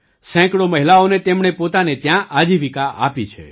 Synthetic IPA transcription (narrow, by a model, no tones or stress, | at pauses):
sɛ̃kɽoməɦilaonet̪emɳ̃epot̪anet̪jãʔad͡ʒiʋikaa̰pit͡ʃʰḛ